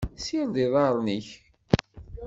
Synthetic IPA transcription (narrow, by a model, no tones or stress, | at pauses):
sind̪iðˤɑɾˤniç